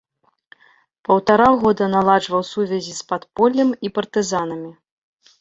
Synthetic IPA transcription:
pɐwt̪aɾaɣɔd̪ɐnalˠaʐvɐwsuvʲɐzʲispat̪pɔlʲːɐmipɐrt̪ɨzanɐmʲi

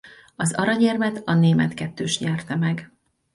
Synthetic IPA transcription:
ɒzɒɾɒɟɛrmɛt̪ɒneːmɛt̪kɛt̪ːøːʃɲɛrt̪ɛmɛɡ

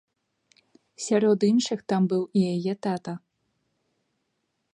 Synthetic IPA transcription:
sʲaɾɔd̪inʂɨxt̪ambɨwijajɛt̪at̪ɐ

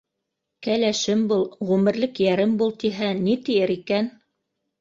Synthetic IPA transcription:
kælæʃɘmbulˠʁʉmɘ̆ɾlɘkjæɾɘmbulˠt̪iɦænit̪ijɘɾikæn

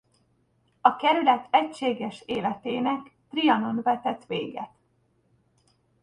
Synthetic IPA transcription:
ɒkɛɾylɛt̪ɛcʃeːɡɛʃeːlɛt̪eːnɛkt̪riɒno̞nvɛt̪ɛt̪ʋeːɡɛ̰t̪

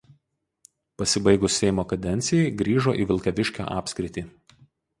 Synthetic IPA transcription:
pɐsʲɪbɐɪɡʊsːʲɛɪmoːkɐd̪ʲɛnʲt̪sʲɪjɛɪɡɾʲiːʒoːʔiːʋʲɪlˠkʲɐʋʲɪʃʲkʲo̰ʔɑːpʲsʲkɾʲɪt̪ʲiː

